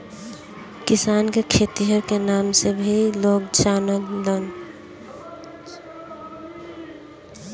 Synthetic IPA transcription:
kɪsaːnkekʰeːt̪iɦəɾkenaːmsebʱiloːkt͡ʃaːnəknd̪ən

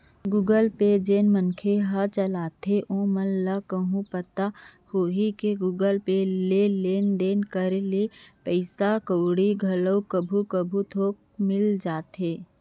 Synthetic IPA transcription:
ɡuːɡəlped͡ʒeːnmənkʰeɦat͡ʃəlaːt̪eʔõːmənləkəɦũpət̪ahoːɦikeɡuːɡəlpeleːleːnɖ̪eːnkəɾlepəɪsakəːɽiɡʱɐləwkəbʱukəbʱut̪ʰoːk̚mɪld͡ʒaːt̪eː

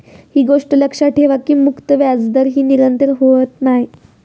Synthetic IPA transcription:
hiːɡoʂʈələkʂaʈʰeʋakiːmukt̪əʋjad͡zd̪əɾɦiːniɾənt̪əɾɦoət̪naɦji

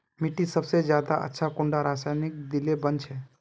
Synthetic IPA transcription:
miʈisəbsezjaːd̪aʔə̰tːʃʰakʊ̃ɳɖaɾaːsaːjnɪk̚d̪ilebənt͡ʃʰɛ

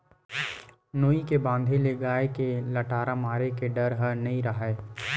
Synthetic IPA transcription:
noːikebãːnd̪ʱeleɡaːekelɐʈaːɾamaːɾekeɖɐɾɦəɾnɐɦĩɾɐɦeː

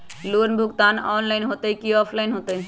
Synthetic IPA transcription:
lunbʱuɡt̪anɔːnlaɪnɦot̪əikiɔːpʰlaɪnɦoːt̪əɦi

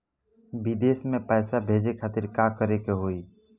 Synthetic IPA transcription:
bɪd̪eːsmẽpɛːsabʱeːd͡ʒekʰaːt̪ɪɾkaːkəɾekeɦoːi

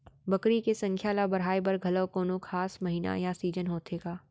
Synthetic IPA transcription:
bɐkɾikesɐ̃ŋkʰjaːlabɐɾɦaːebɐɾɡʱɐləʋkoːnokʰaːsmɐɦiːna̰jasiːd͡ʒənɦoːt̪eːɡaː

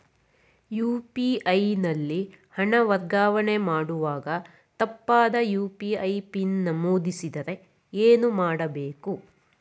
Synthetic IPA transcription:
juːpiɐjnɐlːi | hɐɳɐʋɐɾɡaːʋɐɳemaːɽuʋaːɡɐ | t̪ɐpːaːd̪ɐjuːpiɐjpinːɐmuːd̪isid̪ɐɾe̞ | eːnumaːɽɐbeːku

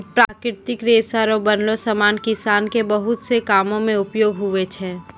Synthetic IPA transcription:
pɾaːkɾɪɾt̪ɪkɾeːsaɾobɐnlosəmaːnkɪsaːnkebɐɦʊt̪sekaːmõmẽʊpjoːɡɦʊʋet͡ʃʰɛː

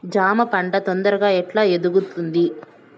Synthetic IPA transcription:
d͡ʒaːmɐpɐɳɖɐt̪ond̪ɐɾɐɡaːɛʈlaːed̪uɡut̪und̪i

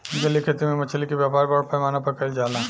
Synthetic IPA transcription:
d͡ʒɐlːikʰet̪imẽmɐt͡ʃʰəlikiʋjaːpaːɾbaɽpɐjmaːnapɐɾkɐld͡ʒaːlaː

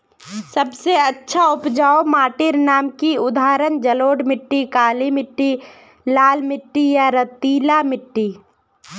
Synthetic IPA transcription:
səbseətːʃʰaʊpd͡ʒaːomaːʈɪɾnaːmkiʊd̪ʱaːɾənd͡ʒəloːɖmɪʈːikaːlimɪʈːi | laːlmɪʈːijaɾət̪iːlamɪʈːi

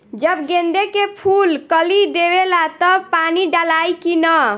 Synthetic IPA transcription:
d͡ʒəbɡẽnd̪ekepʰulkəlid̪eβelat̪əpaniɖalajkinə

